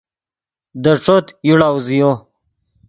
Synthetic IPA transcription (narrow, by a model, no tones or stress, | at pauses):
d̪əʈ͡ʂot̪juɽauzijo